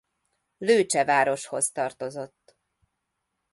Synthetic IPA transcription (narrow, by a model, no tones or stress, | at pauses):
løːt͡ʃɛvaːɾo̞ʃho̞zt̪ɒrt̪o̞zo̞t̪ː